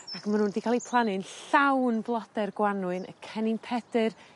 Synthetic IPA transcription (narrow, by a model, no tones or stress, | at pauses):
akmanhuːndikʰalˠipʰlˠanɨnɬawnblˠɔdɛrɡwanwɨnə̰kʰɛnɪnpʰɛd̥ɨr